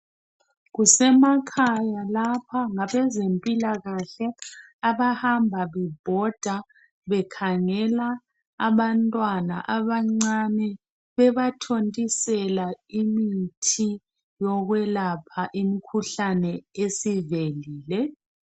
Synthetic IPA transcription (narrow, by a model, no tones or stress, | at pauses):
ɣusɛmakʰajalapʰaŋaβɛzempʼilaɣaɬɛ | aβahambʱaβɛb̥ʱɔd̥ʱa | βɛkʰaŋɛlaː | βantʼwana̰ʔaβaŋ͡ǀanɛ | βɛβatʰontʼisɛlaimitʰi | jɔɣwɛlapʰaʔimikʰuɬanɛesiveliːlɛ